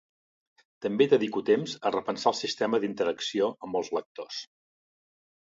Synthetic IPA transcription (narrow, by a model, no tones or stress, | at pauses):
t̪əmbed̪əðikut̪emzərəpənsaəlˠsist̪ɛməðint̪əɾəksioəmbəlˠzlək̚t̪os